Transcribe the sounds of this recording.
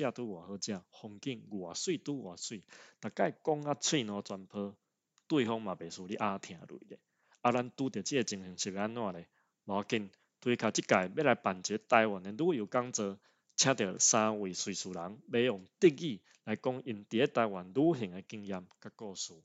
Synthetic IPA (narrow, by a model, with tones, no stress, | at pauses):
t͡ɕja˥˧˨t̪u˦ɡwa˨hə˧˦t͡ɕja˧hɔ˧ŋki˧ŋɡwa˨˩swi˥˧˨t̪u˦ɡwa˨˩swi˥˧˨t̪a˨˩ka˥˨jkɔ˦ŋa˦t͡sʰwi˥˧˨nɔ̃˧t͡swa˧npʰə˧˦ | t̪wi˥˧˨ɦɔ˦ŋmã˨˩be˨˩su˧li˦ʔa˧t̪ʰj̃ã˨˩ɾwḭ˨le˨˦ | a˧ɾa˦nt̪u˦t̪jə˨˩t͡ɕi˦e˧t͡ɕi˧˩ŋhi˨˩˦ŋɕi˨be˧˦a˦nːwã˧le˨˩ | ba˨˧ki˧˨n | t̪ʰwi˧kʰa˨t͡ɕi˦ka˨jbe˦la˨˧˦jpa˨˩nt͡ɕe˨˦t̪a˧jwa˨ne˧du˦ju˨˩ka˦ŋt͡səː˧ | t͡ɕʰjã˦t̪jɛ˨˩˨sã˧wi˨˩swi˨˩su˨˩la˨˦ŋbe˦jɔ˨˩ŋt̪i˧k̚ɡi˥˧˨ | la˨˧jkɔ˦ŋi˧˩nt̪i˨˦e˧˦t̪a˧jwa˨˩nlu˦ɦi˨˩ŋe˧ki˥˧˨ŋja˧mka˦kɔ˥˧˨su˧˦